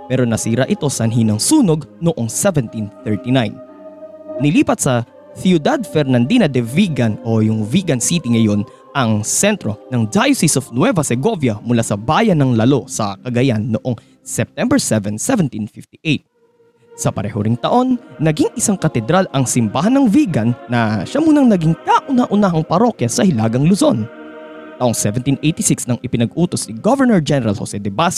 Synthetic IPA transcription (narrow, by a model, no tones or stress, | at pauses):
pɛːɾo̞nɐsiːɾɐʔɪt̪o̞sɐnɦinɐŋsuːno̞ɡnoʔo̞ŋsɛvɛnt̪inθɛɹt̪inajn | nɪliːpɐt̪̚sɐ | θjud̪ad̪̚fɛɾnɐnd̪iːnɐd̪ɛviːɡɐno̞jʊŋviːɡɐnsit̪iŋɐjo̞n | ʔɐŋsɛnt̪ɾo̞nɐŋd͡ʒ̪ajʊsɪsofnwɛvɐsɛɡo̞vjɐmʊlasɐbaːjɐnɐŋlɐlo̞sɐkɐɡɐjanːoʔo̞ŋ | sɛp̚t̪ɛmbɛɹsɛvɛnsɛvɛnt̪infɪft̪iʔejt̪̚ | sɐpɐɾɛhoɾɪŋt̪ɐʔo̞nːɐɡiŋʔɪsaŋkɐt̪ɛd̪ɾalʔɐŋsɪmbahɐnɐŋviːɡɐnːɐʃamuːnɐŋnɐɡiŋkaʔʊnaʔʊnahɐŋpɐɾo̞kjɐsɐhɪlaːɡɐŋlʊzo̞n | t̪ɐʔoŋsɛvɛnt̪inʔejt̪isɪksnɐŋʔɪpɪnɐɡʔuːt̪osniɡovɛɹnɛɹd͡ʒɛnɛɾɐlho̰sɛd̪ɛbas